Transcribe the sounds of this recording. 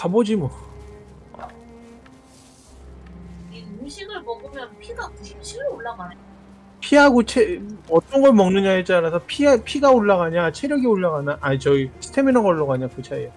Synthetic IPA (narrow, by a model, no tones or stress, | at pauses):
kabod͡ʑimʌ | iɯmɕʰiɡɯɭmʌɡɯmjʌnpʰiɡaimɕʰiɡɯɾoɭːaɡana | pʰiɦaɡot͡ɕʰeʌt͈ʌnɡʌɭmʌŋnɯɲaet͡ɕaɾasʰʌpʰiapʰiɡaoɭːaɣaɲat͡ɕʰeɾjʌɡioɭːaɡanaʔat͡ɕʌisʰɯ̥tʰeminʌŋɡʌɭːoɡaɲakut͡ɕʰaie